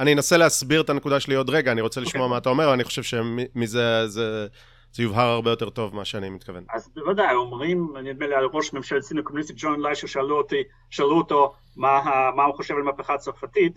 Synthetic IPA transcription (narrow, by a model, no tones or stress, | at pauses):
anienaseleasbiʁet̪ane̞kud̪aʃelio̞d̪ʁeɡaːniʁo̞t͡seliʃmmoamaat̪ao̞meveaniχoʃe̞vʃemimizeze | z̥ejuvɦaʁaʁbejote̞ʁt̪o̞vmaʃeanimitkavenazvad̪ajomʁimanid̪melialʁoʃmemʃalsinokomunist̪itd͡ʒonlajʃuʃealuot̪i | ʃealuoto̞ | maɦamaχoʃevalmapeχat͡soʁfatit̪